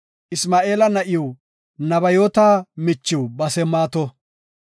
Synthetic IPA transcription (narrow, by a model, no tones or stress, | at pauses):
ʔɪsmaːʔe̞ːlɐnɐʔɪjɔ | nɐbɐjoːt̪aːmɪt͡ʃːɪwbɐsɛmːaːt̪ɔ